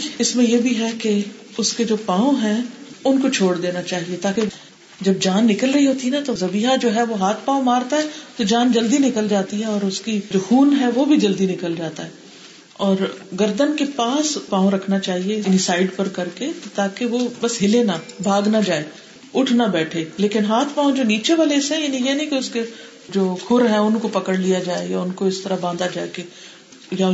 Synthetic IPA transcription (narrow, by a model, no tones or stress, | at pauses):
ɪsmẽjebʱiɦɛke | ʊsked͡ʒoːpãːõɦɛ̃ʊnkot͡ʃʰoːɽd̪eːnat͡ʃaːɦiet̪aːke | d͡ʒɐb̚d͡ʒaːnːɪkəlɾɐɦiɦoːt̪iɛnat̪ozɐbiːɦad͡ʒoːɦɛʋoɦaːt̪ʰpaːõmaːɾt̪aɦɛt̪od͡ʒaːnd͡ʒɐld̪inɪkəld͡ʒaːt̪iɦɛɔːɾʊskid͡ʒoːxuːnɦɛʋobʱid͡ʒɐld̪inɪkəld͡ʒaːt̪aɦɛː | ɔːɾɡɐɾd̪ənkepaːspãːõɾɐkʰnat͡ʃaːɦienisaːɪɖpɐɾkɐɾket̪aːkeʋobɐsɦɪlenabʱaːɡnad͡ʒaːe | ʊʈʰnabɛːʈʰeːleːkɪnɦaːt̪ʰpaːõd͡ʒoːniːt͡ʃeʋalesẽjenijenĩkeʊske | d͡ʒoːkʰʊɾɦɛʊnkopɐkəɽlijad͡ʒaːejaʊnkoɪst̪ɐɾabãːnd̪ad͡ʒaːeke | jaʊ